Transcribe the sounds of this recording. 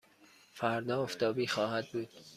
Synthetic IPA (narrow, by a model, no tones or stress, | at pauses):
fæɾd̪ɒːoft̪ɒːbiːxɒːhæd̪̚buːd̪̥